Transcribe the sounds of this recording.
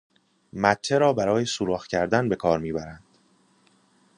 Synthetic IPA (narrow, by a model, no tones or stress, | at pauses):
mæt̪ʰːeɾɒːbæɾɒːje̞suːɾɒːxcʰæɾd̪ænbe̞kʰɒːɾmiːbæɾænd̪̥